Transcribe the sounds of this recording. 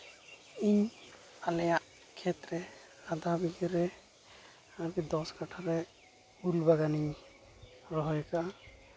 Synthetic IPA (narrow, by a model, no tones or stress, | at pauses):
iɲ | alɛjaʔ | kʰɛt̪ɾɛ | ad̪abiɡiɾɛ | aɾkid̪ɔskaʈʰaɾɛ | ulbaɡaniɲ | ɾɔɦɔjkaʔa